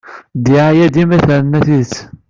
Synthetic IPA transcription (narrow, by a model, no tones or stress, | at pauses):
d̪iʕajæd̪imæθæɾnæθiθ